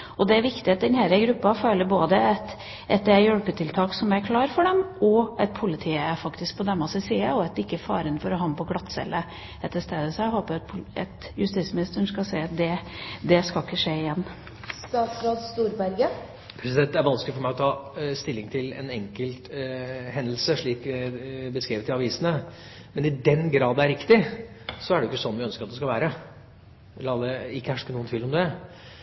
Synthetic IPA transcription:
ɔd̪ɛæɾʋɪkt̪ɪɑt̪̚d̪ɛnhæːɾəɡɾʉpːɑføːləɾboːd̪əɛt̪ | ʔɛt̪̚d̪ɛjɔɽpət̪ʰɪlt̪ʰɑːksɔmæɾkʰlɑːɾfɔɖɛmɔʔɛt̪̚pʰʊlɪt̪ʰiːəæɾfɑkt̪ɪsk̚pʰɔd̪ɛmːɑsɪsiːɑɔɛt̪ɪkːəfɑ̰ːɾənfɔɾɔɦɑmpʰɔɡlɑt̪ːsɛ̰lːə | ɛt̪ːəʂt̪eːd̪əsɔæɦoːpəɾɑt̪pʰʊɛ̰t̪jʉst̪iːt̪smɪnɪst̪əɳskɑsæɪɑt̪̚d̪ɛd̪ɛskɑlɪkːəʂeːɪjɛnː | st̪ɑːt̪sɾoːd̪st̪uːɾbæɾɡə | pʰɾɛsɪd̪ɛnt̪æɾʋɑnsklɪfɔɾmæɪɔt̪ʰɑːst̪ɪlːɪŋt̪ʰɪlɛ̰nɛŋkəlt̪hɛnd̪l̩səʂɭiːkbəskɾiːʋət̪ɪɑʋiːsənə | mɛnɪd̪ɛnɡɾɑːd̪d̪ɛæɾɪkt̪ɪ | sɔæɖɛjʊkːəsɔnːʋɪœnskəɾɑt̪̚d̪ɛskɑʋæːɾə | lɑːd̪ɛɪkːəhæʂkənuːənt̪ʰiːlɔmd̪ɛ

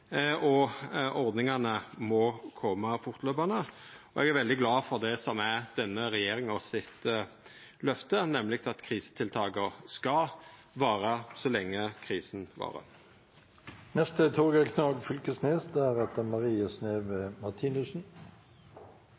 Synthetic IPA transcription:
ɔʔɔʁd̪nɪŋɑnəmɔkʰɔmːəfʊʁt̪løːpɑnəɔʔɛ̰ɡæɾʋɛld̪ɪɡlɑːfɔʁd̪ɛsɔmæd̪̥ɛnːəɾɛjeːʁɪŋɔsɪt̪ | lœft̪ənɛməlɪkt̪ʰɑt̪kʰʁiːsə̥t̪ʰɪlt̪ʰɑːɡəskɑ | ʋɑːɾəsɔlɛŋːəkʰʁiːsn̩ʋɑ̰ːɾə̰ | nɛst̪ət̪ʰoːɡɑkʰnɑːɡfʏlkəsneːsd̪ɛæɾɛt̪̚əmɑʁiːəsneːʋemɑʁt̪ʰinʉsn̩

